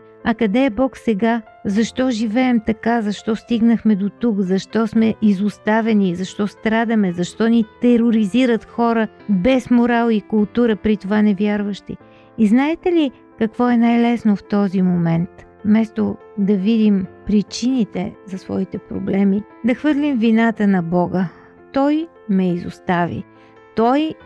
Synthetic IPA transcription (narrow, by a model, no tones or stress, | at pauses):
ɐkɐd̪ɛːbɔksɛɡa | zɐʃt̪ɔʒivɛɛmt̪ɐkazɐʃt̪ɔst̪iɡnəxmɛd̪ot̪ukzɐʃt̪ɔsmɛʔizʊst̪avɛnizɐʃt̪ɔst̪ɾad̪əmɛzɐʃt̪ɔnit̪ɛɾoɾiziɾət̪xɔɾə | bɛsmoɾalˠikʊlˠt̪uɾəpɾit̪ovanɛvʲjaɾvəʃt̪ḭ | iznaɛt̪ɛli | kɐkvɔɛnajlɛsnoft̪ɔzimomɛnt̪ | mɛst̪o | d̪ɐvid̪impɾit͡ʃinit̪ɛ̰zɐsvɔ̰it̪ɛpɾo̰blɛmi | d̪ɐxvɤɾlimvinat̪ənɐbɔɡə | t̪ɔj | mɛizṵst̪avḭ | t̪ɔj